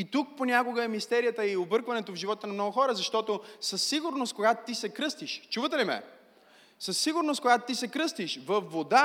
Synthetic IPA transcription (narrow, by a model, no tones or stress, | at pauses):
it̪uk̚ponʲakoɡəɛmist̪ɛɾijət̪əiobɤɾkvɐnɛt̪ovʒivɔt̪ənɐmnɔɡʊxɔɾəzɐʃt̪ɔt̪osəsːiɡʊɾnoskoɡat̪t̪isɛkɾɤst̪iʃt͡ʃuvət̪ɛlimɛ̰ | səsːiɡʊɾnost̪koɡat̪ot̪isɛkɾɤst̪iʃvɐfːod̪a